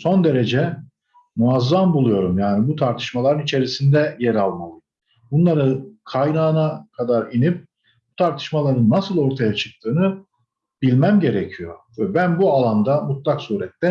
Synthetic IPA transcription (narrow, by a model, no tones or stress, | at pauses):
so̞nd̪e̞ɾed͡ʒɛ | muazːambulˠujo̞ɾumjaːnibut̪ʰaɾt̪ʰɯ̥ʃmalˠaɾɯnit͡ʃʰe̞ɾisind̪ɛjɛɾalˠmalˠɯ | bunlˠaɾɯkʰajnaːnakʰad̪aɾinip̚ | but̪ʰaɾt̪ʰɯ̥ʃmalˠaɾɯnːasɯlˠo̞ɾt̪ʰajat͡ʃʰɯ̥k̚t̪ʰɯːnɯ | b̥ilʲmæmɟe̞ɾɛcʰijo̞̰vɛbænbualˠand̪amut̪lˠaksuːɾɛt̪ːɛ